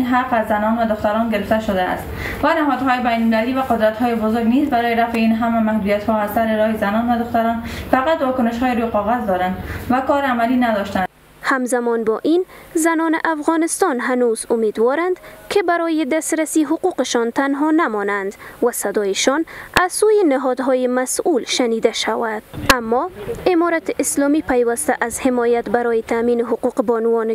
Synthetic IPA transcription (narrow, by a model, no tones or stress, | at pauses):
nɦaqazːanɔnvad̪ʊxt̪aɾɔnɡeɾɪft̪aʃʊd̪a̰ːst̪ | vanaɦɔd̪ɦɔjebajnmɪlalivaqʊd̪ɾat̪hɔjebʊzʊɾɡniːzbaɾɔjeɾafeinɦamamahd̪ujat̪hɔaz̥saɾeɾɔhezanɔnvad̪ʊxt̪aɾɔnfaqat̪vɔkʊnɪʃhɔːjeɾujqɔɣazd̪ɔɾand̪vakɔɾeamalinad̪ɔʃt̪a | hamzamɔnbɔʔinzanɔnɪʔafɣɔnɪst̪ɔnɦanuzʊmed̪wɔɾand̪kʰɪbaɾɔjɪd̪ast̪ɾasiɦʊquqɪʃɔnt̪anɦɔnamɔnand̪wasad̪ɔjɪʃɔnazsujɪnɪɦɔd̪ɦɔjɪmasulʃanid̪aʃawad̪̥amːɔɪmɔɾat̪ɪʔɪslɔmipajwast̪aʔazhɪmɔjat̪baɾɔjɪt̪aminɪɦʊquqebɔnwɔn